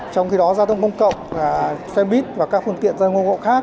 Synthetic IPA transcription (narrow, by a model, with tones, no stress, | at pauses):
t͡ɕɔ˧wŋ͡mxi˧ɗɔ˨˦zaː˧t̪ʰə˧wŋ͡mkə˧wŋ͡mkə̰˧˨wŋ͡mvaː˨˩sɛ˧mɓi˦˥t̚vaː˨˩kaː˦˥k̚fɨ˧əŋt̪ḭ˧˨ənzaː˧ŋo˧ŋɣo̰˧˨xaː˦˥k̚